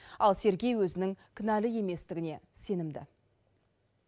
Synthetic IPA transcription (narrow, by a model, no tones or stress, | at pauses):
ɑlˠse̞ɾɡʲe̞jwɵzɪnɪŋkʲʰɪnælɪje̞me̞st̪ɪɡʲɪne̞se̞nɪmd̪ɪ̰